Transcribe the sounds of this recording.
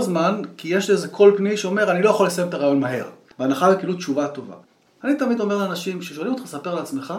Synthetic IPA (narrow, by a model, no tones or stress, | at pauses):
zmankijeʃliezekʰo̞lpniʃeo̞me̞ʁanilo̞jaχolːesajemt̪aʁajo̞nmaɦe̞̰ʁ | beanaχavekilutt͡ʃuvat̪o̞va̰ | anit̪amid̪o̞meleanaʃimʃeʃolimot̪χasape̞ʁleat͡smeχa